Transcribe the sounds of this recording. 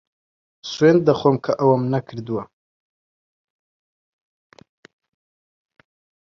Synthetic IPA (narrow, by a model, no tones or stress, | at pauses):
swend̪̚d̪aχomkʰaʔawamnakʰɾd̪uwa